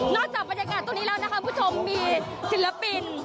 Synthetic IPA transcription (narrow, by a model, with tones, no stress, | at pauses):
nɔː˥˩k̚t͡ɕaː˨˩k̚ba˧nja˧kaː˨˧t̪o˧ni˦˥lɛː˦˥wna˥ka˦˥u˧p̪ʰu˥˩t͡ɕʰo˧mːiː˧ | si˨˩˦la˦˧˥pi˧n